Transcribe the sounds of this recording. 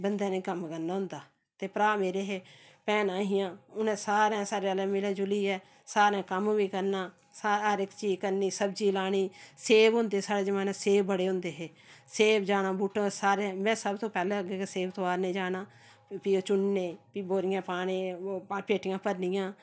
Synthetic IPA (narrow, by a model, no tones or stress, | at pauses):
bənd̪aːneiːkəmkəɾnaːɦʊ̃nd̪aː | t̪eːpɾaːmeːɾeːɦeːpɛːnaːɦɪjãːʊnɛ̃ːsaːɾɛ̃ːsaːɾeːəleːmɪleːd͡ʒʊliːɛː | saːɾãːkəmʋiːkəɾnaː | saəɾɪkt͡ʃiːd͡ʒkəɾniːsəbd͡ʒiːlaːɽ̃iːseːʋɦʊ̃ːnd̪eːsaːɽeːd͡ʒɪmãːnẽːseːbəɽeːʊ̃ːnd̪eːɦeː | seːbd͡ʒaːnaːbuːʈõːsaːɾẽmɛ̃ːsəbt̪õːpɛːlẽːəɡeːkeseːʋt̪oːaːɾnẽːd͡ʒaːnaː | piːoːt͡ʃʊɳːẽːpiːboːɾɪjãːpaːɽ̃ẽːpeːʈɪjãːpəɾnɪjãː